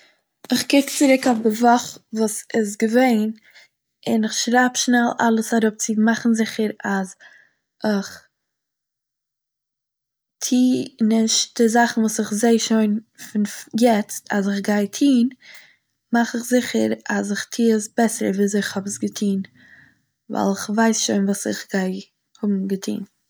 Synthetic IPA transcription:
ɪχkɪkt͡sɪɾʊkʊfdɪvɔχvuːsɪsɡəveɪn | ɪnɪχʃɾaːpʃnɛlˠa̰lˠəsaɾʊp̚t͡sɪmaχn̩zɪχəɾaz | ɪχ | tʰiːnɪʃdɪzaχn̩vuːsɪχzeɪʃoɪnfɪnjɛt͡stazɪχɡaɪtʰiːn | maχɪχzɪχəɾazɪχtʰiːəsbɛsəɾəviːzɪχhɔbəsɡətʰiːn | va̰ɪlˠɪχvaɪsʃoɪnvuːsɪχɡaɪ | hʊbm̩ɡətʰḭːn

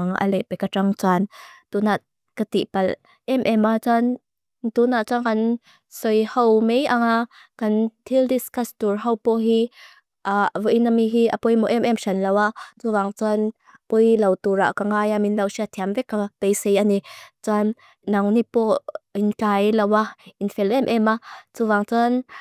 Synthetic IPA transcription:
ŋʔɐ̰lɛʔpɛkaʈ͡ʂɐŋt͡saːnt̪unaʔ | kɐt̪iʔpɐl | ʔɛmʔɛmat͡san | t̪unaʔt͡saŋkɐn | sɔjhɐwmɛjʔaŋa | kɐnt̪ʰildiskastuɹɦɐwpɔɦi | ʔavɔʔinamiɦiʔapɔjmɔʔɛmʔɛmʃɐnlɐwat͡suvaŋt͡san | pɔjlɐwt̪uɾa̰ʔkaŋajaminlɐwsiat̪ʰiamvɛkːapejsejanit͡sanː | ɐŋnipɔinkajlɐwainfɛlʔɛmʔɛmat͡suvaŋt͡san

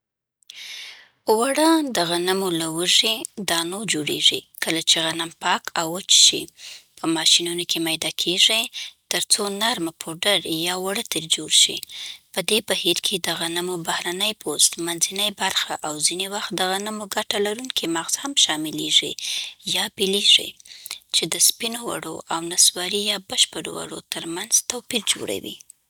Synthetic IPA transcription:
waɽəd̪əɣanamolawəʐid̪ɑnod͡ʒoɽḛʐikəlat͡ʃeɣanampɑkʰawət͡ʃʃḭpʰəmɑʃinunokʰemajd̪ɑkʰeʐit̪əɾt͡sonaɾmapʰoɖəɾjɑwaɽət̪eɾd͡ʒoɽʃḭpəd̪ebahiɾkʰed̪əɣanəmobahɾanəjpʰost̪manzinəjbaɾxaʔawzinewaxt̪̚d̪əɣanəmoɡaʈalaɾuŋkʰimaɣz̥hamʃɑmɪleʐḭjɑbileʐḭt͡ʃed̪əspinowa̰ɽo̰ʔawnaswɑɾijɑbəʃpəɾo̰wa̰ɽo̰t̪əɾmanzt̪awpiɾd͡ʒo̰ɽa̰wḭ

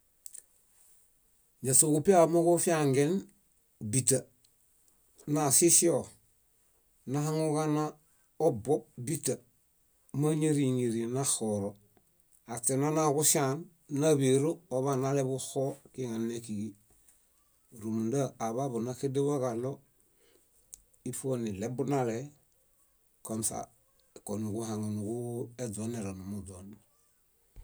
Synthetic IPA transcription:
ɲasoɡupiamoɡofiaŋɡen | bita | nasisio | naɦaŋuɡana | obop̚bita | maɲeɾiŋiɾinaxoɾo | atenanakusanː | aβiɾooβanalebuxokiŋanːekiɡi | ɾumudaːβabunakedebakalo | ifonilebunale | konsa̰ | konuɡuhaŋunuɡuedoneɾanumudon

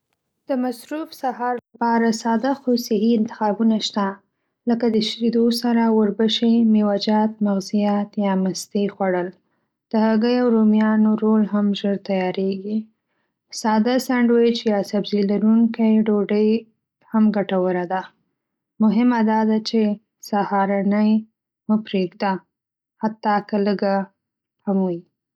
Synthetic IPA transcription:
d̪̥əmasɾufsahɑɾlapɑɾasɑd̪axosɪɦiɪnt̪ɪ̥xɑbunaʃt̪a | ləkad̪əʃɾid̪osaɾawəɾbəʃemewad͡ʒɑt̪̚maɣzijat̪jɑmast̪exwaɽəl | d̪̥əhaɡəjawɾomjɑnoɾolɦamʒəɾt̪ajɑɾeɡi | sɑd̪asaɳɖwet͡ʃjɑsabzilaɾuŋkajɖoɖəj | hamɡaʈawəɾad̪a | mʊɦɪmad̪ɑd̪at͡ʃe | sahɑɾanəj | məpɾeɡd̪a | hat̪ːɑkaləɡa | hamuji

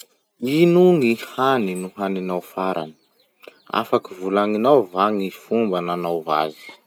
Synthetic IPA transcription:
inuŋihaninuɦaninawfaɾʔa̰nə̥ | a̰fakivulaŋinawvaŋifumbananawva̰zi̥

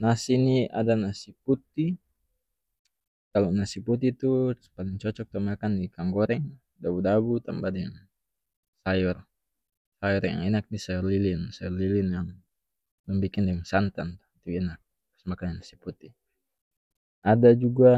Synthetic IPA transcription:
nasinia̰danasiput̪i | kalonasiput̪it̪uspalɪŋt͡ʃɔt͡ʃɔk̚t̪ɔmakandikaŋɡɔɾɛŋ | dabudabut̪ambadɛŋ | sajɔr | sajɔrja̰ŋɛnak̚nisajɔrlilinsajɔrlilinjaŋ | lɔŋbikɪndɛŋsant̪ant̪u̥t̪iɛnak̚ | ḁsmakananasi̥put̪i | ʔadad͡ʒuɡa

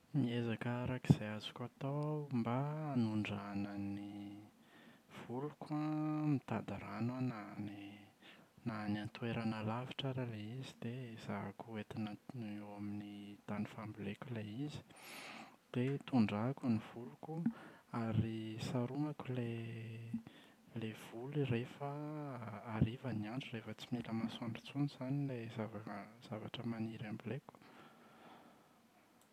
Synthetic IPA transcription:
miezakaɾakiz̥ejazu̥kʲat̪ombaːnuɳɖ͡ʐanəni | v̥ulukamit̪ad̪aɾananani | nanant̪uweɾanalavi̥ʈ͡ʂaɾaleizid̪̥ez̥akuet̪inəewaminit̪anifamblekʲuleizi̥ | d̪̥et̪uɳɖ͡ʐakuniv̥ulukuaɾisaɾuŋakule | lev̥ulirefəː | ɾivəniaɳɖ͡ʐurefət͡similəmasaɳɖ͡ʐit͡suniz̥anilezavaz̥avaʈ͡ʂəmaniɾambileku̥

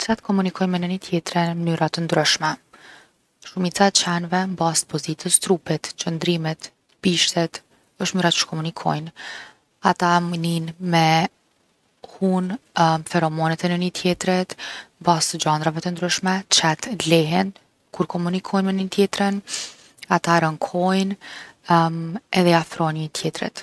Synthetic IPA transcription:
t͡ʃat̪kɔmunikʰɔjnmɛnənit̪jɛt̪ɾɛnmənyɾat̪ənd̪ɾyʃmɛ | ʃumit͡sat͡ʃɛnvɛmbast̪pɔzit̪ʰəst̪ɾupɛt̪t͡ɕənd̪ɾimɛt̪ | piʃt̪ɛt̪ | əʃt̪mnyɾaə̥ʃkɔmunikʰɔ̰jn | at̪amninmɛ | hunfɛɾɔmɔnɛt̪ɛnənit̪ʰjɛt̪ɾɛt̪mbast̪d͡ʑand̪ɾavɛt̪ənd̪ɾyʃmɛt͡ʃɛt̪lɛɦɛn | kuɾkɔmunikʰɔjnmɛnit̪jɛt̪ɾən | at̪aɾəŋkʰɔjn | ɛðɛafɾɔjnit̪ʰjɛt̪ɾɛ̰t̪

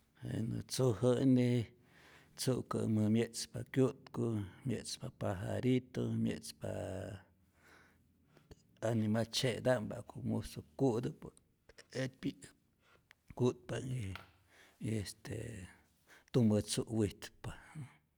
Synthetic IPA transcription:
ḛnɨt͡suhəne | t͡suʔkə̰mɨmjet͡spakjut̪komjet͡spapaɦa̰ɾit̪omjḛt͡spa̰ | animat͡ʃed̪aʔmba̰komusokuʔd̪əp | et̪pi | kut̪̚paŋi | est̪ḛ | t̪umbət͡suʔwit̪pḁ

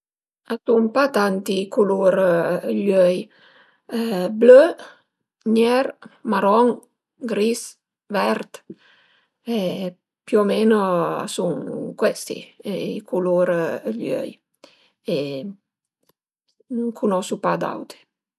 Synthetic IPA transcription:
asuŋpat̪ant̪ikuluɾløj | blø | ɲɛɾmaɾɔŋ | ɡɾis | vɛɾt̪ | e | pjuomenoa̰suŋkwɛst̪ḭikʰuluɾʎø̰j | e | nuŋkʰunɔsupad̪a̰wt̪e̥

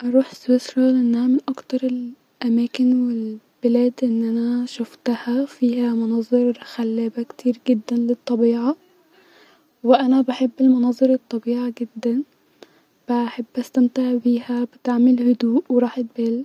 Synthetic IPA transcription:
ʔɑɾˤuːħswesɾˤɑleʔenːæhæmɪnʔɑkt̪ɑɾˤel | ʔæmæːkɪnwel | b̥elæːd̪ʔenːʔænæʃʊft̪æhæfiːhæmʊnɑːzˤeɾˤxælːæːbækt̪ʰiːɾɡɪd̪ːænlet̪ˤːɑbiːʕa | weʔænæbaħebːelmʊnɑːzˤeɾˤet̪ˤːɑbiːʕaɡed̪ːæn | b̥æħebːʔæst̪æmt̪eʕbiːhæbɪt̪aʕmelhʊd̪uːʔweɾˤɑːħet̪̚bæːl

